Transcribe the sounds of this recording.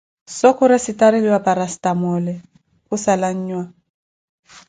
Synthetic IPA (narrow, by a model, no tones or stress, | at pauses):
sɔkʰʊɾɪsɪtʼaɾɪliwapʼaɾastʼamɔlɛ | hʊsalaɲ̩ːɲwa